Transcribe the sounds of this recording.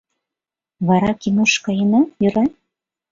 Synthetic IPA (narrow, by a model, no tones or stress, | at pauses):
βɑɾɑkinuʃkɑjɤnɑjyɾɑ